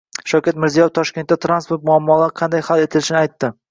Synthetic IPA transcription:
ʃawkʲat̪mɪɾzijɒjft̪ʰɒʃkʲe̞nt̪ːat̪ɾanspoɾt̪mʊamːɒlˠaɾqʰɑnd̪ajhale̞t̪ʰɪlɪʃɪnɪajt̪ːɪ

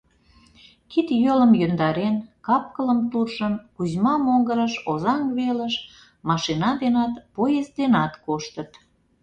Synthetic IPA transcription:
kit̪jøləmjønd̪ɑɾenkɑp̚kələmt̪urʒənkuzʲmɑmoŋɡəɾəʃozɑŋβeləʃ | mɑʃinɑd̪enɑt̪pojezd̪enɑt̪koʃt̪ət̪

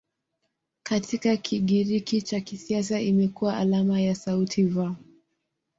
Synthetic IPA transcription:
katʰikakʰiɠiɾikit͡ʃakisias̬aimɛkuwaʔalamajasautʰiva

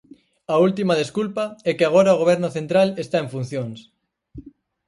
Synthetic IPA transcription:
ɐult̪imaðeskulpɐɛkeaɣ̞oɾaoɣoβ̞ɛɾnʊθent̪ɾalest̪aeɱfun̟θjoŋs

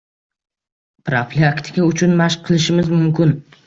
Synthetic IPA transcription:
pɾoflʲiakt̪ʰɪ̥kʲaʊt͡ʃʰʊnmaʃqʰːɨlˠɪʃɪmɪzmʊmkʲʊn

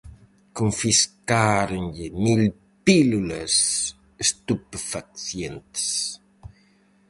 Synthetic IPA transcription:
koɱfiskaɾenʎɪmil | piluləs | est̪upfakθjent̪s

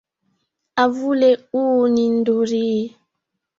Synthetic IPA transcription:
avuleuːnin̩doɾi

